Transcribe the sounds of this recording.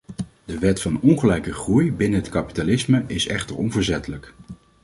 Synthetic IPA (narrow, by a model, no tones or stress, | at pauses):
d̥əʋɛtfɑnɔnχəlɛjkəχrujbɪnəɦətkɑpi̥talɪsməʔɪsɛ̰χtəɹɔnvəɹzɛtələk